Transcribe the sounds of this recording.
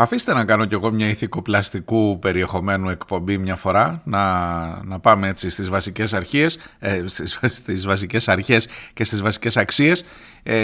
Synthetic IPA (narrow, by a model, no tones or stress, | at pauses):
ɐfist̪e̞nɐkɐno̞ce̞ɣo̞mɲɐiθiko̞plɐst̪ikupe̞ɾie̞xo̞me̞nue̞kpo̞mbimɲɐfo̞ɾɐnɐnɐpɐmee̞t͡sist̪izvɐsice̞sɐɾçiessst̪izvɐs̬ice̞sɐɾçe̞sce̞st̪izvɐsi̥ce̞sɐksie̞s